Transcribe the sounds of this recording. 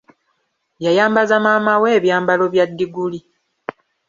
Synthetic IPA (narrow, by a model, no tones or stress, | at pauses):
jajaːmbazamaːmawe̞ːβjaːmbalo̞βjadːiɡuli